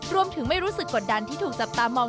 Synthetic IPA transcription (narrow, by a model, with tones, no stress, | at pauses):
ɾu˧əmt̪ʰɯ˩˦ŋma˥˩jɾuː˦˥sɯ˨˩kːo˨˩t̪̚da˧nt̪ʰiː˥˩t̪ʰuː˨˩k̚t͡ɕa˨˩p̚t̪aː˧mɔː˧ŋ